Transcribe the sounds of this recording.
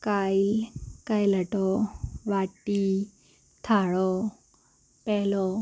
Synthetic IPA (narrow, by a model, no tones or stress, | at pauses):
kajikajləʈɔʋaʈːi | t̪ʰaɭɔ | pɛlɔ